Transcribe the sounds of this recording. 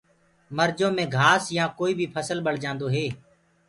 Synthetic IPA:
məɾd͡ʒõːmẽːɡʱaːsjãːkoːiːbʱiːpʰəsəlɓəɽ̤d͡ʒãːnd̪oːɦeː

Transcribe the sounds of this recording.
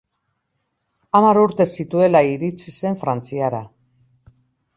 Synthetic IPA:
amaɾuɾt̪e̞sit̪ue̞laiɾit͡sise̞ɱfɾant͡siaɾa

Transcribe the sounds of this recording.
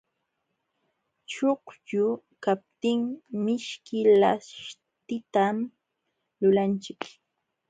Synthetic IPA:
t͡ʃoχjʊ | kap̚t̪ɪŋmɪʃkɪlaʃ | t̪ɪt̪am | lʊlant͡ʃɪk

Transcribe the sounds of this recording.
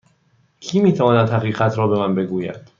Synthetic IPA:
cʰiːmiːt̪ʰævɒːnæd̪hæʁiːɢæt̪ʰɾɒːbe̞mænbe̞ɡuːjæ̰d̪̥

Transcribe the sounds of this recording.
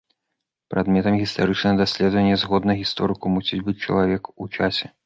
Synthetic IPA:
pɾʔad̪mʲɛt̪ɐmɣʲist̪aɾɨt͡ʂnɐɣɐd̪asʲlʲɛd̪vɐnʲːɐzɣɔd̪nɐɣʲist̪ɔɾɨkumusʲid͡zʲbɨt͡sʲt͡ʂɐ̰lˠavʲɛkut͡ʂasʲɛ

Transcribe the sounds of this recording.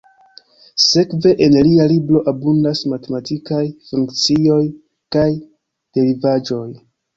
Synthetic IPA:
se̞kve̞ʔenlialiblo̞ʔabundasmate̞matikajfuŋkt͡sio̞j | kaj | d̥e̞ɾivad͡ʒo̞j

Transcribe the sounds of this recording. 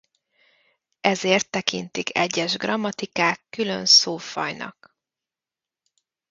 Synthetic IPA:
ɛzeːrt̪ːɛkint̪ikʰɛ̰ɟːɛʒɡrɒmːɒt̪ikaːkːylø̰nsoːfɒ̰jnʔɒ̰k

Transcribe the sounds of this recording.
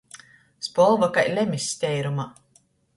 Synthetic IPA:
spɔlˠvakajlʲɛmʲisʲːt̪ʲɛjɾuma

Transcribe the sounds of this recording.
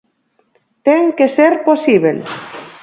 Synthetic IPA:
t̪eŋkeseɾposiβel

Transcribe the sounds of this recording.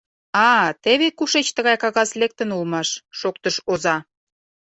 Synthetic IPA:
ɑt̪eβekuʃet͡ɕt̪əɣɑjkɑɣɑslek̚t̪ənulmɑʃːok̚t̪əʃozɑ

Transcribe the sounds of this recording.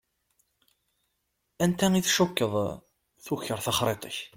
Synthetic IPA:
ænt̪æiθʃukːəðˤ | θuçəɾˤθɑχɾˤet̪ˤə̰ç

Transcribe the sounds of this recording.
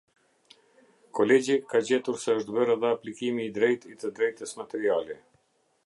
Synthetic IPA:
kɔlɛd͡ʑikad͡ʑɛt̪uɾsɛəʃt̪bəɾaðɛaplikimiːd̪ɾɛjt̪it̪əd̪ɾɛjt̪əsmat̪ɛɾiali

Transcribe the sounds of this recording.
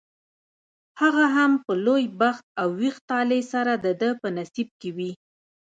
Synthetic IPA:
haɣaɦampəlojbaxt̪̚awːixt̪ɑlesaɾad̪əd̪əpənasib̚kewi

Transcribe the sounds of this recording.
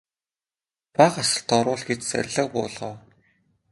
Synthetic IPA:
pæːχasə̆ɬt̪ʰɔɾʊːɮɡet͡ɕt͡sæ̰rʲɮə̆q̚pʊːɮʁɔː

